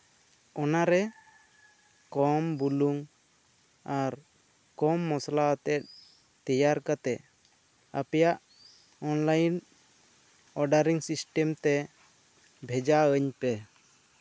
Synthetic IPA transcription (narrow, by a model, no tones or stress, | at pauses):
ɔnaɾɛ | kɔmbuluŋ | aɾ | kɔmːɔslaət̪ɛt̪̚ | t̪ɛjaɾkat̪ɛ | apɛjaʔ | ɔnlajn | ɔɖaɾiŋsisʈɛmt̪ɛ | bʱɛd͡ʒaəɲpɛ